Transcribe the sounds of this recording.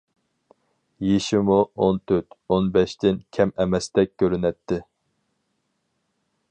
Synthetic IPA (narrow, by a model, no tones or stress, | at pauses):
jeʃɪmuont̪ʰøt̪onbɛʃt̪ʰɪnkʲʰɛmɛmɛst̪ɛk̚ʲkʲʰːøɾynɛt̪ʰːɪ